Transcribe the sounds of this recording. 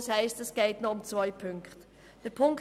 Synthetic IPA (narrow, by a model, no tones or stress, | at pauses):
shɛɪstɛsɡ̥ɛɪtnɔʊmt͡svœɪpʰʏŋkχt | d̥əpʰʊŋk